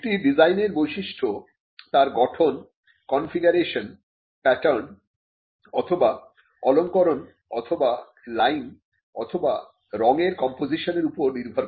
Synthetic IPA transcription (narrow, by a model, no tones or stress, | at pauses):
ʈiɖid͡ʑajneɾbojʃiʃʈʰo | t̪aɾɡɔʈʰon | kɔnfiɡaɾeʃon | pɛʈaɾn | ɔt̪ʰoba | ɔloŋkɔɾon | ɔt̪ʰoba | lajn | ɔt̪ʰoba | ɾɔŋeɾkɔmpod͡ʑiʃoneɾupoɾniɾbʱɔɾ